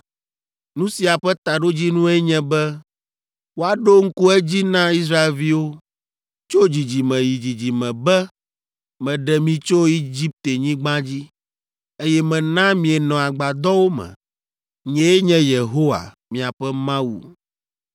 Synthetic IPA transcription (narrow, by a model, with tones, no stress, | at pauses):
nũ˦si˨a˨ɸɛ˦t̪a˨ɖo˦d͡ʑi˦nũ˦ɛ˦ɲɛ̃˦bɛ˦ | wo˦a˨ɖo˦ŋ̩˦ku˦ɛ˦d͡ʑi˦nã˦i˦s̬ɾa˦e˨lvi˦wo˦ | t͡ʃo˦d͡ʑi˨d͡ʑi˨mɛ̃˨ji˨d͡ʑi˨d͡ʑi˨mɛ̃˨bɛ˦ | mɛ̃˨ɖɛ˨mĩ˨t͡ʃo˦i˦d͡ʑi˦p̚t̪e˨ɲĩ˦ɡ͡bã˦d͡ʑi˦ | e˦jɛ˦mɛ̃˨nã˦mĩ˨ɛ˨nɔ̃˨a˨ɡ͡ba˨d̪ɔ˦wo˦mɛ̰̃˨ | ɲɛ̃˨e˦ɲɛ̃˦je˨ɦo˦wa̰˨ | mĩ˨a˨ɸɛ˦mã˦wṵ˨